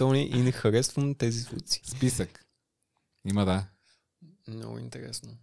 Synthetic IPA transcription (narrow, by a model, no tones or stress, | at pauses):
t̪ɔniʔinɛxɐɾɛsvunt̪ɛzisṵsi̥spisək | iməd̪a | nɔ̰ɡʊ̰ḭnt̪ɛɾɛ̰snʊ